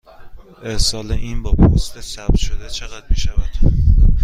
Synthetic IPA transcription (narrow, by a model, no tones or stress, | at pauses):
ʔesɒːleʔiːnbɒːpʰost̪esæb̪̚ʃod̪et͡ʃʰe̞ɣæd̪̥̚miːʃævæd̪̥